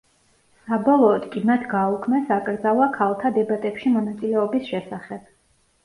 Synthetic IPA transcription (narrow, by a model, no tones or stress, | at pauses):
sabɔlˠɔːd̪kʼimat̪ʰɡaukʰmɛsakʼɾd̪zavakʰalˠt̪ʰad̪ɛbat̪ʼɛpʃimɔnat̪sʼilɛɔbisʃɛsaχɛb̥